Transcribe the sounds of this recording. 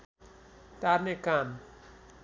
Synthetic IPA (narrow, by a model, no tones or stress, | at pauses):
t̪aɾnekan